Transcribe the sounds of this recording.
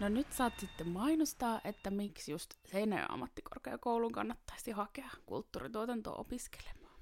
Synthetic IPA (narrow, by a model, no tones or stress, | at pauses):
nonyt̪sɑːt̪sit̪ːemmɑinust̪ɑːʔet̪ːæmiksjust̪seinæ̰j̰ɑ̰mːɑt̪ːiko̰rkeɑkouluŋkɑ̰nːɑt̪ːɑisihɑkeɑkṵlt̪ːuːrit̪uot̪ɑnt̪o̰ːʔo̰piske̥lemˑɑ̥ː